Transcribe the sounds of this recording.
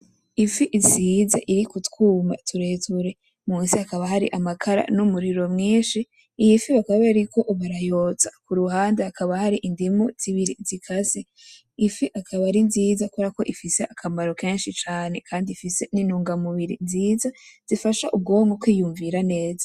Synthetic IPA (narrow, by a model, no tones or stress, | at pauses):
ifiʔziːzaʔiɾikutkuːma̰tʰuɾeːtʰuɾe̞ | muːnsiakaβahaɾḭʔamakʰaɾa̰numuɾiɾo̞mŋiːnʃiː | jifiβakaβeɾiko̞ʔuβaɾajo̞ːt͡sḁkuɾuhaːndeakaβahaɾiʔindimuz̥iβiɾizikʰase | ifiʔakʰaβaɾinziːzakuɾako̞ʔifise̞ʔakʰamaɾo̞ke̞ːnʃit͡ʃaːne̞kʰaːndifise̞ninuːŋɡamuβiɾḭnziːzaz̥ifaʃaʔub̚ɡo̞ːŋɡokwiːjuːɱviɾane̞ːza